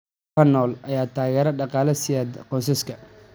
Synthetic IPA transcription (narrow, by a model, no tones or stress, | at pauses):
ɐnːɔːlʔɐjaːt̪ʰaːɣɛːɾɐɖɑqɑːlɐsɪjaːd̪qɔːsɐskʰɐ